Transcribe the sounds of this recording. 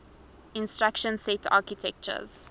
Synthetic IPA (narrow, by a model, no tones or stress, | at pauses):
ĩnstɹakʃə̃nsɛtʰa̰ːkitʰɛk̚t͡ʃə̰z̥